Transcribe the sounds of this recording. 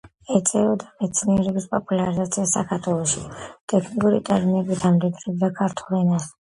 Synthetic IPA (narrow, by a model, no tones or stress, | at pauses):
ɛt̪sʼɛɔd̪amɛt̪sʰniɛɾɛbispʼɔpʼulaɾizat̪sʰiasa̰kʰaɾt̪ʰwɛlˠɔʃit̪ʼɛkʰnikʼuɾit̪ʼɛɾminɛbid̪amd̪id̪ɾɛbd̪akʰaɾt̪ʰulɛnas